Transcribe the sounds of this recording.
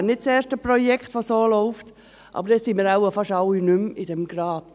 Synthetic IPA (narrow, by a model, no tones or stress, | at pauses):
nɪt̚t͡seːɾʃtəprɔjɛkχtʋosoːlɔʊft | ʔɑ̰ːbəɾdɛsimɪɾaʊəfɑʃɑwinʏmidɛmɡ̥ɾɑːd